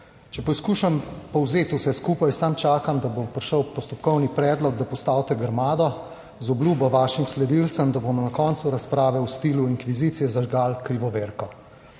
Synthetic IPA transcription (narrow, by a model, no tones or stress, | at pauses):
t͡ʃɛpɔjskuːʃampɔwzeːt̪usɛskuːpajsamt͡ʃaːkamd̪abompɾʃəwpɔst̪ɔpkɔwnipɾɛːd̪lɔɡ̚d̪apɔst̪awt̪ɛɡəɾmaːd̪ɔ | zɔbluːbɔʋaːʃimslɛd̪ilt̪səmd̪abomnakɔːnt̪suɾaspɾaːʋɛwst̪iːluiŋkʋizit̪sijɛzaʒɡaːlkɾiʋɔʋeɾkɔ